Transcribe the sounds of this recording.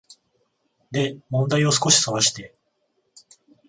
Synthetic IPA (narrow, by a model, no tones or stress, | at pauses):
d̪e̞mõ̞nd̪aio̞sɨ̥ko̞ɕi̥soβaɕi̥t̪e̞